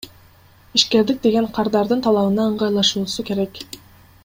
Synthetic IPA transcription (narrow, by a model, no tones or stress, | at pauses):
iʃke̞ɾd̪ik̚d̪e̞ɡe̞ɴqʰɑɾd̪ɑɾd̪ɯnt̪ʰɑlˠɑβɯnɑɯɴʁɑjlˠɑʃuːsuke̞ɾek